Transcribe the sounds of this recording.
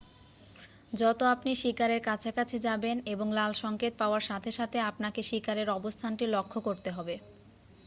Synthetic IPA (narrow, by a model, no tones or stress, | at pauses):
d͡ʑɔt̪oapniʃikaɾeɾkat͡ɕʰakat͡ɕʰed͡ʑabeneboŋlalʃɔŋket̪̚paoaɾʃat̪ʰeʃat̪ʰeapnakeʃikaɾeɾɔbost̪ʰanʈilokʰːokoɾt̪eɦɔbe